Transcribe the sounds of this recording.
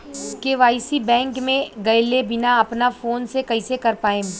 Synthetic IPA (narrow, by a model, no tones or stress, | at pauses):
keʋaːɪsibɛ̃ːŋkmẽɡɐɪlebɪnaɐpnafoːnsekɐɪsekɐɾpaːẽ